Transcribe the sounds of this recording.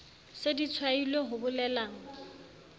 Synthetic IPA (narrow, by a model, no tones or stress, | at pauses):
sedit͡sʰwailweɦʊbʊlɛlaːŋ̩